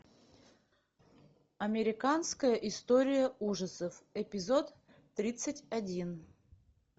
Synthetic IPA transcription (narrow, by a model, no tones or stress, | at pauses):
ɐmʲɪɾʲɪkanskəjəʔɪst̪oɾʲɪjəuʐəsəfɪpʲɪzo̞t̪ː | ɾʲit̪sɨtʲɐdʲin